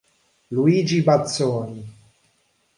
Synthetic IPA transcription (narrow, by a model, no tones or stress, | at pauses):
luiːd͡ʒibat̪soːni